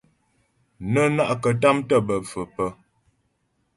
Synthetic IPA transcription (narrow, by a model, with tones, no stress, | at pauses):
nə˦na˦ʔkə˨ta˦mtə˦bə˨fə˨pə˦